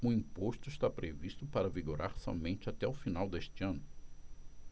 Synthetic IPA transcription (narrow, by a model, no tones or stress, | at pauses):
ʊĩpoʃt̪ʊɪst̪apɾeviʃt̪ʊpaɾɐviɡoɾaɾsɔ̰mẽnt͡ʃɪat̪ɛʊfinawd̪eʃt͡ʃɪɐ̃nʊ